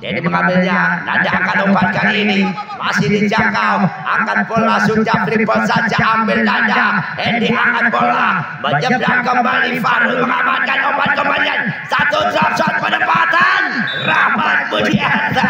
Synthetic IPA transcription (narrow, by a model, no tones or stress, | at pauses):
d͡ʒa̰diməŋambɪlɲana̰daʔakanobat̪̚kanini | ma̰sɪhdid͡ʒakawʔa̰kanpolasut͡ʃapɾipɔt̪sat͡ʃaʔːmbɪldadahɛndiʔakanpolabəɲəp̚dakəmbalifaɾʊsməŋamankanobat̪̚kəmaliansat̪ɔsat̪̚sat̪̚pənəpat̪an | ramat̪̚mudia